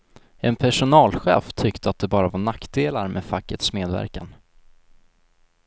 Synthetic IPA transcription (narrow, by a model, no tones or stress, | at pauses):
ʔɛnpʰæʂʊnɑːlɧɛ̰ːft̪ʰʏkt̪əat̪̚d̪ɛbɑːɾavaɳakd̪eːlaɾmʔɛfakːət̪smeːd̪væ̰ɾka̰n